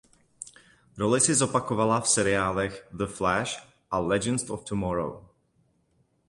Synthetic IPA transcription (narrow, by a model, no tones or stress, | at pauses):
ɾolɪsɪzo̞pakovalafsɛɾɪaːlɛxðəflɛʃ | ʔalɛd͡ʒɛnstoft̪umɔɾo̰w